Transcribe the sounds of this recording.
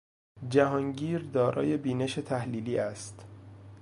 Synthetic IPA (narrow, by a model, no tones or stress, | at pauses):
d͡ʒæɦɒːŋɟiːɾd̪ɒːɾʔɒ̰ːje̞biːne̞ʃet̪ʰæhliːliːæst̪